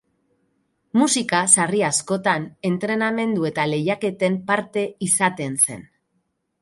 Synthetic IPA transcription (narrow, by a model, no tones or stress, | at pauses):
musikasariasko̞t̪ane̞nt̪ɾe̞name̞nd̪ue̞t̪ale̞jake̞t̪e̞mpaɾt̪e̞isat̪e̞nse̞̰n